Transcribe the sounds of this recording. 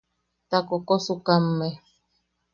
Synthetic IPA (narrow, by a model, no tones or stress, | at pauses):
t̪akokosukamːe